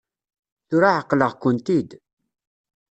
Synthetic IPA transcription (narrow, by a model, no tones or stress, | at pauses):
θʊɾaʕəqːləʁkʊnt̪id̪